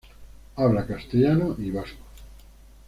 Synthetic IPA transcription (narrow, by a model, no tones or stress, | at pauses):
aβlakast̪eʎanoʔiβasko̥